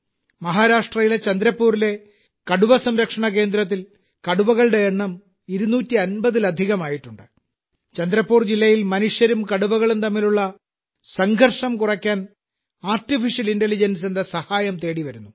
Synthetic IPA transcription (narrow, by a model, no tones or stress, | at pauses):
mɐɦaːɾaːʂʈrɐjilet͡ɕɐnd̪ɾɐpːuːɾile̞ | kɐɽuʋɐsɐmɾɐkʂɐɳɐke̞ːnd̪ɾɐt̪ːil | kɐɽuʋɐɣɐɭɽe̞ːɳːɐm | iɾunuːtːiɐnbɐðilɐd̪ʱiɣɐmaːjiʈːuɳɖɨ | t͡ɕɐnd̪ɾɐpːuːrd͡ʑilːɐjilmɐnuʂjɐɾumkɐɽuʋɐɣɐɭumt̪ɐmːiluɭːɐ | sɐŋɡʱɐrʂɐmkurɐkʲːaːn | aːrtifiʂjɐlintelid͡ʑɐns̬e̞nd̪ɐsɐhaːjɐmt̪e̞ːɽiʋɐɾunːu